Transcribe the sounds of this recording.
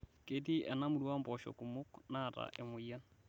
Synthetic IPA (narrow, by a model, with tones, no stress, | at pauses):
ke˨ti˦ʔɛ˨na˦mu˨ɾwa˦mbɔ˨ʃɔ̰˨ku˨mo˦kna˦˨ta̰ʔe˨mo˨ja˦